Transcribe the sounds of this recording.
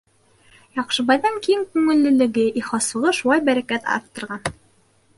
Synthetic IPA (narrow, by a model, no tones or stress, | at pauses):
jɑqʃɤ̆βɑjðɑŋkijɘŋkʉŋɘ̆lːɘ̆lɘ̆ɡɘʔiχɑsɤ̆ʁɤʃŭw̪ˠɑjbæɾækæt̪ɑ̰ɾt̪ːɤ̆ɾʁɑn